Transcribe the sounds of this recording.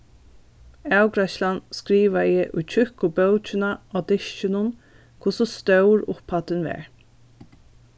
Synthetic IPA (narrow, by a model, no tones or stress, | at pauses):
æwɡɾaʃlanskɾiːʋaɛʔʊ̰jt͡ʃʰʏhkʊbœwt͡ʃɪnaɔd̪ɪʃt͡ʃɪnʊn | kʰʊsɔst̪œwɹʊ̰phat̪ɪnʋɛ̰ːɹ